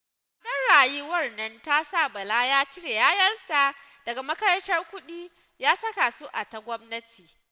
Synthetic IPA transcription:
dɐ˦nɽaː˨jiː˦wɐ˦rnɐ˦nta˦sa˦˨bɐ˨la˦jaː˦t͡ʃɪ˦ɽe˨jaː˦jɐ˦nsa˨ | d̥ɐ˨ɡa˨mɐ˦kɐ˦ɾɐ˦ntɐ˦rkʷʊ˦ɗiː˦ | jaː˦sɐ˦ka˨so˦ʔa˨ta˨ɡʷɔ˦mnɐ˦tʰiː˨

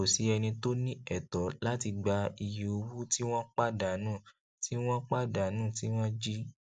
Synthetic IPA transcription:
o˨si˨˦ɛ˧nĩ˧to˦nĩ˦ɛ˦˨tɔ˨˦la˦ti˧ɡ͡ba˧i˧ji˧o˧wu˦ti˦w̃ɔ̃˦k͡pa˦da˨˦nũː˦˨ | ti˦w̃ɔ̃˦k͡pa˦da˨˦nũː˦˨ti˦w̃ɔ̃˦d͡ʒi˦

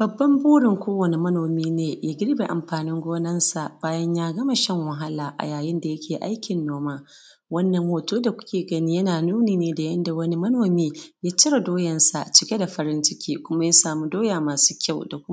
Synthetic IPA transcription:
b̥ɐ˨bːɐ˦mbuː˦ɽɪ˨ŋkʷoː˦wɐ˨ni˦mɐ˦noː˨miː˦neː˨jaː˦ɡʲɪ˦ɽbeː˨ʔa̰˨mɸaː˨nɪ˦ŋɡʷoː˦nɐ˦nsa˨ʔbaː˦jɐ˦ɲjaː˦ɡɐ˦ma˨ʃɐ˦ŋwɐ˨ɦa˦laː˨ʔa̰˨jaː˨jɪ˦nda˨jɐ˦kʲeː˨ʔa̰˦jkʲɪ˨nːoː˦maː˦ | wɐ˦nːɐ˨ŋhoː˨toː˦da˨kʷʊ̥˦kʲeː˨ɡɐ˦ni˦jɐ˦naː˨nuː˦neː˨neː˦da˨jɐ˦nda˨wɐ˦ni˦mɐ˦noː˨miː˦ja˦t͡ʃɪ˦ɾa˨doː˦jɐ˨nsa˨t͡ʃɪ˦kʲe˦da˨ɸɐ˦ɾɪ˦nt͡ʃɪ˦kʲiː˦kʷʊ˦ma˦ja˦saː˨mu˦doː˦jaː˨maː˨su̥ː˦kʲa˦˨wda˨kʷʊ˦m˦

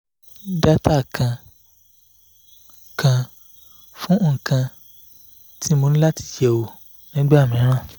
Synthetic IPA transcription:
da˦ta˦˨kʰã˧ | kã˧ | fũ˦ŋ̩˨kã˧ | tʰi˦mo˧nĩ˦la˦ti̥˨d͡ʒɛ˨wo˨ | nĩ˦ɡ͡be˦a˦˨mĩ˨˦ɾ̃ã˦˨

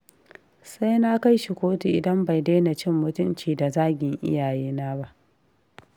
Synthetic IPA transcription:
sa˦jna˦ka˦jʃi˨kʷoː˦ti˨ʔɪ˨dɐ˦mba˨jdeː˦na˨t͡ʃɪ˦mːʊ˦tʊ˦mt͡ʃiː˨da˨zaː˦ɡʲɪ˨ŋʔɪ̰˦jaː˨jeː˦naː˦ba˦ʔ

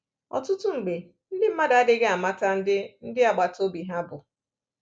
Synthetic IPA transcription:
ɔ̰˨tʊ˦tʊ˦ŋ͡m̩˨ɡ͡be˨ | n̩˦dɪ˦m̩˦ma˦da˨a˦dɪ˦ɡe˦a˨ma˦ta˦n̩˦dɪ˦n̩˦dɪ˦a˨ɡ͡ba˨to˦bi˨ɦa˦bʊ˨

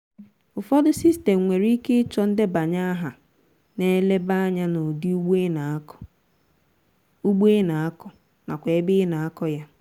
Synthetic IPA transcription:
ʊ˨fɔ˦dʊ˦si˦ste˨mŋʷe˨ɾi˦ke˦t͡ʃɔ˦n̩˦dɪ˦ba˨ɲa˦a˦ɦa˨ | ne˦le˦ba˦a˦ɲa˦nʊ˨di˦u˦ɡ͡be˦na˨˦kɔ̥˨ | u˦ɡ͡be˦na˨a˦kɔ˨ | na˨kʷe˨e˦bɪ˦na˨a˦kɔ˦ja˦

